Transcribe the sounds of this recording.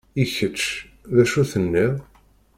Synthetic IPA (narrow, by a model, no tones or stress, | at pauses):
içət͡ʃː | ðæʃuθənːiʁ